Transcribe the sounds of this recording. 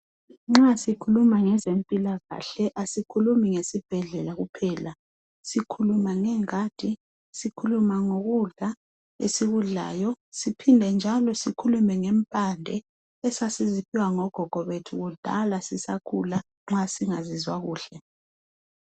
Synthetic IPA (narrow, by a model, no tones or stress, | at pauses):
ŋ͡ǁasikʰulumaŋɛzempʼilaɣa̰ɬɛʔasikʰulumiŋesib̥ʱɛɮɛlaɣupʰɛːla | sikʰulumaŋɛŋad̥ʱi | sikʰulumaŋoɣuɮa | ḛsiɣuɮa̰ːjɔsipʰindʱɛnd͡ʒʱalɔsikʰulumɛŋɛmpʼandʱɛ | ɛsasizipʰiwaŋɔɡ̥ʱɔɡ̥ʱɔβetʰuɣud̥ʱa̰lasisakʰṵla | ŋ͡ǁasiŋazizwaɣuːɬɛ